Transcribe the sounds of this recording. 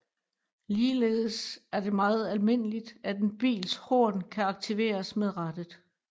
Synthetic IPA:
liːle̝̰ːð̞̩ˠəsæɐd̥e̝mɑ̈ːð̞̩ˠælme̝n̰əlid̥æd̥enb̥ḭːlsho̝ːnkʰæɑ̈ɡ̥̚t͡sʰiʋe̝̰ːɐsmeðˠʁad̥əð̩ˠ

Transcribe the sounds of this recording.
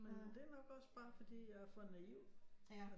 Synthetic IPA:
mend̥e̝ænɒ̽ɡ̥ɒ̽sb̥ɑ̈ːfɒ̽d̥ḭːjɑ̈ɪfɒ̰nːæiʊ̰̥

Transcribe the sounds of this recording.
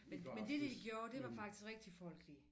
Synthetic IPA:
menmend̥e̝d̥i̥iɡ̥jo̝ːɐd̥e̝ʋɑ̈fɑ̈ɡ̥d̥isɡ̥ʁɛɡ̥̚d̥ifɒ̽l̰ɡ̥li

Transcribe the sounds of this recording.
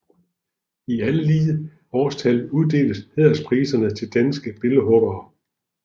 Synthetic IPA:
iæləliːə | ɒːst͡sʰæluðˠd̥e̝̰ːl̥əshe̝ð̰ˠɐspʰʁiːsɐnət͡sʰe̝ld̥ænsɡ̥əb̥e̝ləɦɔ̽b̥ɐː

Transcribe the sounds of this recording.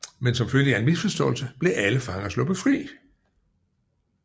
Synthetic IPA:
mensɒ̽mføljəæɐenmisfɒsd̥ɒ̽ːl̩səb̥le̝ʔæləfɑ̈ŋɐslɔ̽b̥ðˠfʁḭː

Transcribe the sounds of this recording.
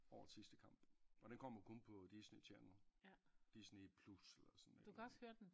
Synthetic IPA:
ɒ̰ːɐsisd̥əkʰɑ̈m̰b̥ɒ̽d̥enkʰɒ̽m̰ɐkʰɔ̽npʰɒ̽d̥isnet͡sʰænəld̥isnepʰluselɐsɒnned̥ukʰæɒshøːɐd̥en

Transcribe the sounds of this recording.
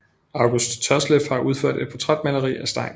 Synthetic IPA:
ɑ̈ʊɡ̥usd̥t͡sʰɒslefhɑ̈ʔuð̞ˠfø̰ɐ̰d̥e̥pʰɒ̽t͡sʰʁad̥mælɐʁḭːæsd̥ɑ̈ɪ̰n

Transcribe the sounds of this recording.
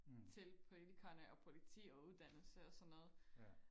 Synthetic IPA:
t͡sʰe̝lpʰo̝lit͡sʰikʰɐnəʔɒ̽pʰo̝lit͡sʰḭːɒ̽uðˠd̥æn̰l̩səɒ̽sɒ̽nːɔ̽ːð̩ˠ

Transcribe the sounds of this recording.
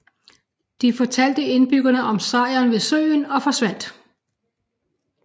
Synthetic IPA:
d̥ifɒt͡sʰæl̰d̥əe̝nb̥yɡ̥ɐnəʔɒ̽msɑ̈ɪɐnʋe̝sø̰ːnɒ̽fɒ̽sʋæn̰d̥

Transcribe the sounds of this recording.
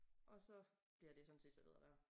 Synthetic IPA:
ʔɒ̽sɒ̽b̥liɐd̥e̝sɒ̽nse̝̰ːd̥sæʋeð̰ˠɐd̥æɐ

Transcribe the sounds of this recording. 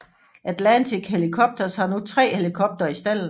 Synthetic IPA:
ʔæd̥lænt͡sʰiɡ̥helikʰɒ̽b̥̚d̥ɐshɑ̈nut͡sʰʁɛ̰ːhe̝likʰɔ̽b̥̚d̥ɐisd̥æl̰n̩

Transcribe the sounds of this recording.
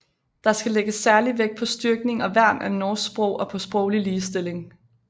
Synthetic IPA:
d̥ɑ̈sɡ̥æleɡ̥əsːæɐliʋeɡ̥̚pʰɒ̽sd̥yɐɡ̥ne̝ŋɒ̽ʋæɐ̰mʔænɒːssb̥ʁɔʊʔɒ̽pʰɒ̽sb̥ʁɔʊliliːsd̥e̝le̝ŋ

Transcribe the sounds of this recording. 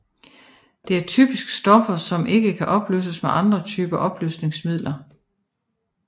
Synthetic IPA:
d̥e̝æɐt͡sʰy̰ːb̥isɡ̥sd̥ɒ̽fɐsɒ̽mʔe̝ɡ̥əkʰæʔɒ̽b̥lø̰ːsəsmeʔɑ̈nd̥ʁɐt͡sʰyːb̥ɐʔɒ̽b̥lyːsne̝ŋsmið̰ˠlʔɐ

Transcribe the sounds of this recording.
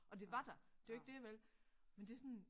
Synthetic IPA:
ʔɒ̽d̥e̝ʋɑ̈d̥æd̥e̝ae̝ɡ̥̚d̥e̝ɐʋelmend̥e̝sɔn

